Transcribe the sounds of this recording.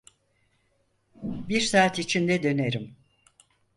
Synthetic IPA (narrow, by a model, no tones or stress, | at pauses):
biɾsaːt̪it͡ʃʰind̪ɛd̪ø̞neɾim